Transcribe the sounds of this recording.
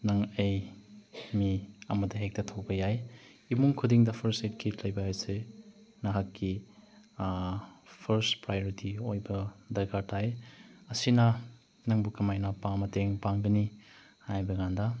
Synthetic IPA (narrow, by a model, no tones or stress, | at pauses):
nɐŋej | miɐmɐdɐɦek̚tɐtʰok̚bɐjajimuŋkʰudiŋdɐpʰɐɾset̚kʰitlɐjbɐasenɐɦakːi | pʰɐɾspɾajoɾitʰiojbɐdɐɾɡatʰajɐsinɐ | nɐŋbukɐmajnɐpaŋmɐteŋpaŋɡɐni | hajbɐŋandɐ